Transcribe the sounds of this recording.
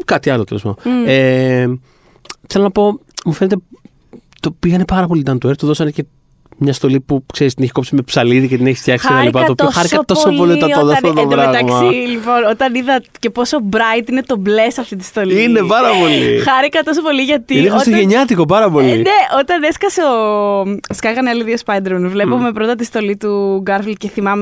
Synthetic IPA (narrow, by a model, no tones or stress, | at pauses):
kɐt̪iɐlot̪elespɐ̰e | θe̞lonɐpo̞ | mufe̞net̪̬e | t̪opiɣɐnepɐɾɐpo̞lit̪ɐnt̪ueɾt̪uðo̞sɐnece̞ | mɲɐst̪o̞lipukse̞ɾist̪ineçi̥ko̞psimepsɐliðicet̪ineçi̥st̪çɐksiket̪ɐlipɐtop̪oxɐɾikɐt̪o̞sopoliɐond̪ɐsft̪ot̪op̪ɾɐɣt̪ɐmsɐilipo̞not̪ɐniðɐce̞po̞sobɾɐjt̪inet̪o̞blesɐft̪it̪i̥st̪o̞liinepɐɾɐpo̞lḭxɐɾikɐt̪o̞s̬opo̞liʝɐt̪iinexost̪oʝeɲɐt̪iko̞pɐɾɐpo̞lineʔot̪ɐneskɐseo | skɐkɐnɐliðiospɐjd̪ɾonvle̞pume̞pɾot̪ɐt̪ist̪o̞lit̪uɡɐɾfilce̞θimɐme